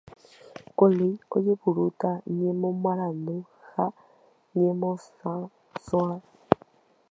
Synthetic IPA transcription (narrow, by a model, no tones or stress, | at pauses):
koliɔ̰jebuɾutaɲɛmɔmaɾanu | ha | ɲɛmɔsã | swã